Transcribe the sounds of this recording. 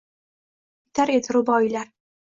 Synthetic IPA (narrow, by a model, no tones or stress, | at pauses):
t̪aɾet̪ʰɾubajlaɾ